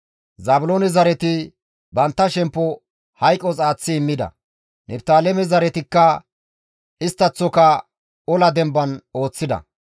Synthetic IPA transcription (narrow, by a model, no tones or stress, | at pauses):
zɐːbʊloːnɛzɐɾɛt̪ɪ | bɐnt̪ːɐʃɛmpːɔ | hɐjkʼːɔt͡sʼaːt͡sːɪːmːɪd̪ɐ̰ | nʔɛbt̪aːlɛmɛzɐɾɛt̪ɪkːɐ | ɪst̪ːɐt͡sːɔkɐ | ɔlɐd̪ɛmbɐno̞ːt͡sːɪd̪ɐ̰